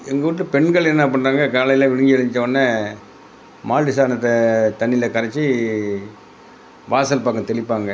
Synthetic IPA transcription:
ɛŋɡɐʋɯʈːɯpɛɳɡɐɭɛnːaːpɐɳraːŋɡɐkaːlɐɪjlɐʋɪɻɯŋɡɪɐɻɐɲd͡ʒɪt͡ʃːɐʋɐnːɐ | maːɭʈɪsaːnɐt̪ːɐt̪ɐɳːɪlɐkɐɾɐt͡ʃːɯ | ʋaːsɐlpaːkːɐ̃t̪ɛɭɪpːaːŋɡɐ

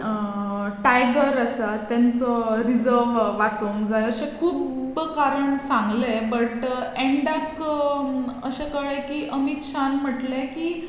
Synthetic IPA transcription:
ʈajɡəɾasat̪jant͡sɔɾid͡zəɾʋʋːat͡soŋkd͡zajəsẽkʰuːbkaɾəɳsãŋɡlebəʈeɳɖak | əɕekəɭekiːʔəmit̪ɕanm̤əʈlekiː

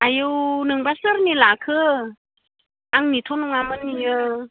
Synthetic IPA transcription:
ajɯwnɯŋbasəɾnilakʰɯ | aŋnit̪ʰonɯŋamɯnːijɯ

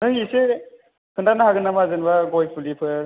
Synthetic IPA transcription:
nɯɦise | kʰɯndanaɦaɡɯnamazɯnbaɡɔj̚bulipʰɯ

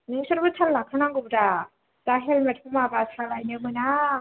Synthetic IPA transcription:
nɯŋsɯɾbɯtʰalːakʰanaŋɡɯbɾa | taɦelmatʰumabasʰalajnɯmɯna

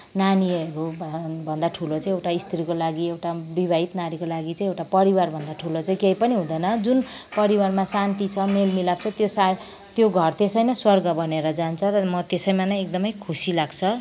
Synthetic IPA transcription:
naniʌɾubʱʌnd̪aʈʰulot͡saĩewʈaist̪ʰiɾikolaɡiewʈabibʱait̪nanikolaɡit͡saĩewʈapʌɾiwarbʱʌnd̪aʈʰulot͡saĩkeipʌniɦũd̪ʌjnʌd͡zun | pʌɾiwarmasant̪it͡sʰʌmelmilab̚t͡sʰʌt̪josa | t̪joɡʱʌrt̪esʌjnʌswʌrɡʌbʱʌneɾʌd͡zant͡sʰʌɾʌmʌt̪esʌjmanʌjek̚d̪ʌmʌjkʰusilaɡt͡sʰʌ

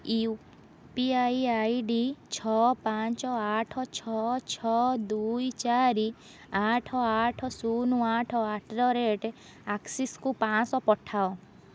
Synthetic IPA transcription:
i | piajajɖit͡ʃʰɔpant͡ʃɔaʈʰɔt͡ʃʰɔt͡ʃʰɔd̪ujt͡ʃaɾi | aʈʰɔaʈʰɔsunuaʈʰɔaʈʰɾɔɾeʈe | aksiskupãsɔpɔʈʰao

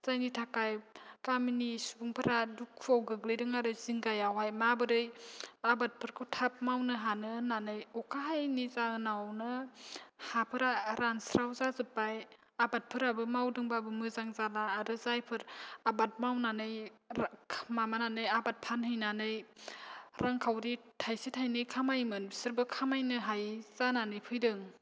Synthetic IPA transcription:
z̥ajnitʰakajkaminisubuŋpʰɯɾadukʰːuawɡɯɡlɯjdɯŋaɾɯziŋɡajawajmabɯɾɯjabat̚pʰɯɾkʰɯwtʰap̚mawnɯɦanɯnanɯjɔkʰaɦajnizananɯ | hapʰɯɾaɾansɾawzazɯpːaj | abat̚pʰɯɾabɯmawdɯŋbabɯmɯzaŋzalaːdɯzajpʰɯɾabat̚mawnanɯjʰ | mamananɯjabat̚pʰanhɯjnanɯj | ɾʔaŋkʰawɾitʰajsitʰajnɯkʰamajmɯnbsɯɾbɯkʰamajnɯɦajz̥ananɯjpʰɯjdɯŋ

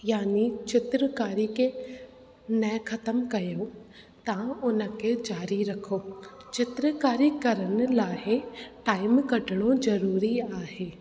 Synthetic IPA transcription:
jaːnit͡ʃɪt̪ɾəkaːɾike | nɐxʰɐt̪əmkɐjo | t̪ãʊnə̆kʰed͡ʒaːɾiɾɐkʰoː | t͡ʃɪt̪ɾəkaːɾikɐɾənɪ̆laːɦeʈaːɪmkɐɖʱɪɽ̃ozɐɾuːɾiaːɦeː

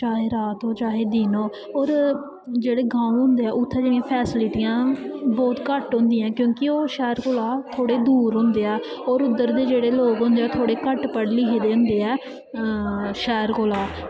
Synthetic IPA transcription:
t͡ʃaːɦeːɾaːt̪oːt͡ʃaːɦeːd̪iːnoː | ɔːɾ | d͡ʒeːɽeːɡãːũɦʊ̃nd̪eːɛːʔʊt̪ʰːɛ̃ːd͡ʒeːɽĩjãːpʰɛːsɪlɪʈijãːbɔːt̪kəʈɦʊ̃nd̪iːãːkjõːkioːʃɛːɾkoːlaːt̪ʰoːɽeːd̪uːɾɦʊ̃nd̪eːɛː | ɔːɾʊd̪ːəɾd̪eːd͡ʒeːɽeːloːkɦʊ̃nd̪eɛːt̪ʰoːɽeːkəʈpəɽliːɦeːd̪eːɦʊ̃nd̪eːɛː | ʃɛːɾkoːlaː

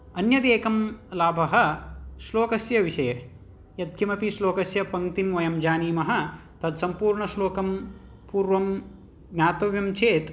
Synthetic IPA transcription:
ɐnjɐd̪eːkɐmlaːbʱɐɦɐ̆sloːkɐsjɐʋiʃɐjɐ | jɐt̪̚kʰimɐpisloːkɐsjɐpɐŋt̪imʋɐjɐmd͡ʒaːniːmɐɦɐ̆ | t̪ɐd̪sɐmpuːɾɳɐsloːkɐm | puːɾʋɐm | ɡnʲaːt̪ɐʋjɐmt͡ʃʰeːt̪

